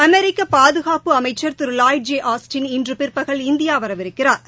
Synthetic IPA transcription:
ɐmɛɾɪkːɐpaːðɯɣaːpɯɐmɐɪt͡ʃːɐɾt̪ʊɾɯlaːjd͡ʒeːʔaːsʈɪnɪndrɯpɪrpɐɣɐɭɪnd̪ɪjaːʋɐɾɐʋɪɾɯkːɪraːɾ

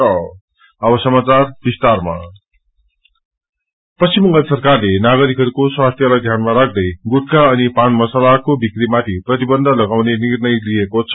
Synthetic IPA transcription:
sʌ | ʌbʌsʌmat͡sarbist̪arma̰ | pʌst͡simːʌ̃ŋɡʌlsʌrkarlenaɡʌɾikɦʌɾukoswast̪ʰjʌlʌd̪ʱjanmaɾak̚ʰd̪ʌjɡuʈ̚ʰkaʌnipanmʌsalakobikrimat̪ʰiprʌt̪ibʌnd̪ʱʌlʌɡawnenirnʌjlijekot͡sʰʌ

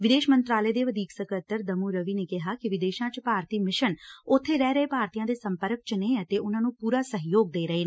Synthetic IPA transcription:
ʋɪd̪eːʃmənt̪ɾaːləeːd̪eːʋəd̪iːksəkət̪əɾd̪əmuːɾəʋiːneːkɪɦaːkɪʋɪd̪eːʃãːt͡ʃpaːɾt̪iːmɪʃənʊt̪ʰːeːɾɛːɾəeːpaːɾt̪ijãːd̪eːsəmpəɾək̚t͡ʃneːət̪eːʊnãːnũːpuːɾaːsəɦjoːɡ̚d̪eːɾəɦeː

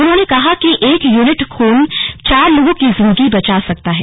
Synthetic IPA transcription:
ʊnɦõːnekɐɦakiʔeːkjuːnɪʈkʰoːnt͡ʃaːɾloːɡõkizɪ̃nd̪əɡibɐt͡ʃasɐk̚t̪aɦɛː

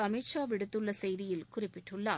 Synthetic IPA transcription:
ɐmiʈt͡ʃaːʋɪɽɯt̪ːɯɭːɐsɛjðɪjɪlkʊrɪpːɪʈːɯɭːaː

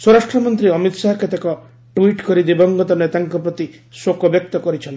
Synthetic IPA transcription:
swɔɾaʂʈɾɔmɔnt̪ɾiɔmit̪saɦket̪ekɔ | ʈwiʈkɔɾid̪ibɔŋɡɔt̪ɔnet̪aŋkɔpɾɔt̪i | swokɔbjɔk̚t̪ɔkɔɾit͡ʃʰɔn

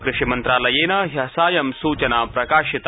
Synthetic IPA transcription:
kɾɪʃimɐnt̪ɾaːlɐjeːnɐːɦɐsaːjɐmsuːt͡ʃɐnaːpɾɐkaːʃit̪

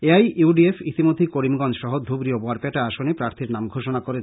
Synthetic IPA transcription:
eajʔuɖiefit̪imod̪ʱikoɾimɡɔnd͡ʑʃɔɦod̪ʱubɾiobɔaɾpɛʈaaʃonepɾaɾt̪ʰiɾnamɡʱoʃonakoɾe

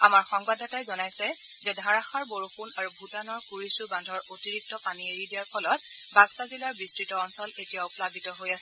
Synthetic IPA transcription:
amaɹxɔŋbadʱatajzɔnajsɛ | zɛdʱaɹaxaɹboɹuxunaɹubʱutanɔɹkuɹisubandʱɔɹotiɹik̚tɔpanieɹidijaɹpʰɔlɔt̚baɡsazilaɹbistɹitɔːnsɔletijaʊplabitɔɦojasɛ

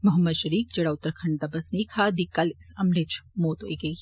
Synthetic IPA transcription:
mʊɦəmːəd̪ʃɐɾiːk̚d͡ʒɐɽaːʊt̪ːɾkʰɐ̃ɳɖ̚d̪abɐsnɐikʰaːd̪iːkɐlɪsɐmlet͡ʃʰmoːt̪ɦo̰ːiɡɐi

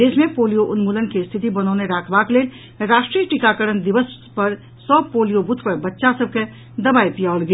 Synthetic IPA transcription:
eːsmẽpoːlijoʔʊnmuːlənkest̪ʰɪt̪ibɐnɔːneɾaːkʰbaːkleːl | ɾaːʃʈɾiəʈikakəɾənd̪ɪʋəs | pɐɾ | sɔːpoːlijobʊt̪ʰpəɾbɐtːʃasəb̚ke | d̪ɐbaːipijaːlɡɐ

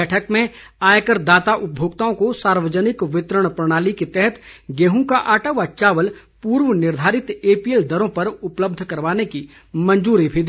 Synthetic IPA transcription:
ɛːʈʰəkmẽ | aːjkəɾd̪aːt̪aʔʊp̚bʱjoːɡ̚t̪aːõkosaːɾʋəd͡ʒənɪkʋɪt̪ɾəɽ̃pɾɐɽ̃aːliket̪ɛɦɛt̪ɡeːɦũkaʔaːʈaʋat͡ʃaːʋəl | puːɾʋənɪɾd̪ʱaːɾɪt̪eːpield̪ɐɾõpɐɾʊpləb̚d̪ʱkɐɾʋaːneki | mɐ̃nd͡ʒuːɾibʱid̪i

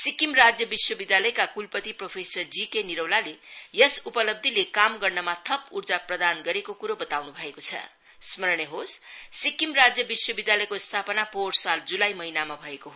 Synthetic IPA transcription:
sikimrad͡zjʌbiswʌbid̪jalʌjkakulpʌt̪ipropʰesʌrd͡zikeniɾʌwlalejʌsupʌlʌb̚d̪ʱilekamɡʌrnʌmat̪ʰʌpurd͡zaprʌd̪anɡʌɾekokuɾobʌt̪awnubʱʌekot͡sʰʌ̰ | smʌɾnjeɦossikimrad͡zjʌbiswʌbid̪jalʌjkost̪ʰapʌnaporsald͡zulajmʌɦinamabʱʌekoɦo

